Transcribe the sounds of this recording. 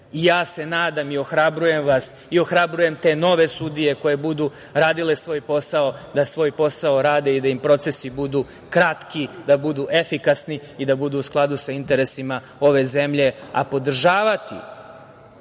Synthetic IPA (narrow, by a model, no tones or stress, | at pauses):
ijaːse̞naːd̪amio̞xɾabɾuje̞mʋas | io̞xɾabɾuje̞mt̪e̞no̞ʋe̞sud̪ije̞ko̞je̞bud̪u | ɾaːd̪ile̞sʋo̞ːjpo̞sao̞d̪asʋo̞ːjpo̞sao̞ɾaːd̪e̞id̪aimpɾo̞t̪se̞sibud̪u | kɾat̪kid̪abud̪uʔe̞fikasniid̪abud̪uːsklˠad̪usaint̪e̞ɾe̞sima | o̞ʋe̞ze̞mʎe̞a̰po̞d̪r̩ʒaːʋat̪ḭ